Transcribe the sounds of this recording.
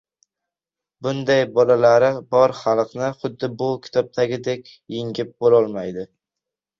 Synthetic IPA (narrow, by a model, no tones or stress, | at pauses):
bʊnd̪ajbɒlalaɾɪbɒɾχalˠqnɪχʊd̪ːɪbʊkʲʰɪ̥t̪ʰɒb̚t̪ʰaɡʲɪd̪e̞kʲ | jɪŋɡʲɪp̚bolɒlˠmajd̪ɪ